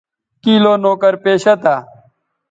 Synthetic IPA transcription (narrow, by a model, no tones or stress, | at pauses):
kiːloːnoːkəɾpeːɕɐt̪aː